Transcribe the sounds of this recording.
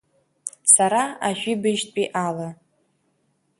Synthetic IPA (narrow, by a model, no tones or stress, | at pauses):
saɾaaʒᶣʷibɨʒtʼpʼiʔala